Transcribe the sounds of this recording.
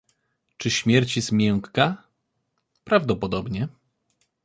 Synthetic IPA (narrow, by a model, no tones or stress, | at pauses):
t͡ʂɘɕmʲjɛɾt͡ɕizmʲjɛŋkka | pɾavd̪ɔpɔd̪ɔbɲɛ